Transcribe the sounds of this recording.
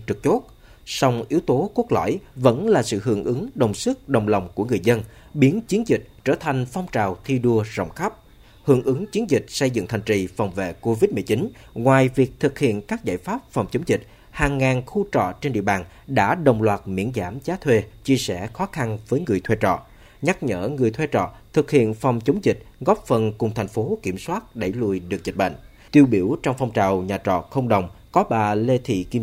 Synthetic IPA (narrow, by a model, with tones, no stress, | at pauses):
t͡ɕɨ˨˩k̚t͡ɕo˦˥t̚ | sa˧wŋ͡mʔi˨˦əwt̪o˨˦ku˦˥ək̚lɔ̰˧˩˨jvə̰˧˥nlaː˨˩sɨ̰˧˨ɦɨ̰˧˩əŋʔɨ˨˦ŋɗə˨˩wŋ͡msɨ˦˥k̚ɗə˨˩wŋ͡mla˨˩wŋ͡mku˧˩əŋɨ˨˩əjzə˧nɓi˨˦ənt͡ɕi˨˦ənzï˨˩k̚t͡ɕəː˧˩t̪ʰa˨˩jŋ̟fɔ˧wŋ͡mt͡ɕaː˨˩wt̪ʰi˧ɗu˧əzɔ̰˧˨wŋ͡mxa˦˥p̚ | hɨ˧˩əŋʔɨ˨˦ŋt͡ɕi˨˦ənzï˨˩k̚sə˧jzɨ̰˧˨ŋt̪ʰa˨˩ŋ̟t͡ɕi˧˩fa˨˩wŋ͡mvḛ˧˨ko˧vi˦˥t̚mɨ˨˩t͡ɕi˨˦n | ŋwaː˨˩jvi˨˩ək̚t̪ʰɨ˨˩k̚hḭ˧˨ənkaː˦˥k̚za̰ː˧˨jfaː˦˥p̚fɔ˨˩wŋ͡mt͡ɕə˨˦wŋ͡mzï˨˩k̟̚ | haː˨˩ŋːaː˨˩nxu˧t͡ɕɔ̰˧˨t͡ɕe˧nɗḭ˧˨əɓaː˨˩n | ɗa̰ː˧˥ɗə˨˩wŋ͡mlwaː˨˩t̚mḭ˧˥ənzaː˧˩mzaː˨˦t̪ʰwe˧t͡ɕi˧əsɛ˧˩xɔ˨˦xa˧nvəː˨˦jŋɨ˨˩əjt̪ʰwe˧t͡ɕɔ̰˧˨ | ɲa˦˥k̚ɲə̰ː˧˩ŋɨ˨˩əjt̪ʰwe˧t͡ɕɔ̰˧˨t̪ʰɨ˨˩k̚hḭ˧˨ənfa˨˩wŋ͡mt͡ɕə˨˦wŋ͡mzï˨˩k̟̚ɣɔ˦˥p̚fə˨˩nkʊ˨˩ŋ͡mt̪ʰjŋ̟fo˨˦ki˧˩əmswaː˦˥t̚ɗə˧˩jlu˧˩jɗɨ˨˩ək̚zi˨˩ɓa̰˧˨ŋ | t̪i˧əwɓi˧˩əwt͡ɕɔ˧wŋ͡mfɔ˧wŋ͡mt͡ɕaː˨˩wɲaː˨˩t͡ɕɔ̰˧˨xə˧wŋ͡mɗə˨˩wŋ͡mkɔ˨˦ɓaː˨˩le˧t̪ʰḭ˧˨ki˧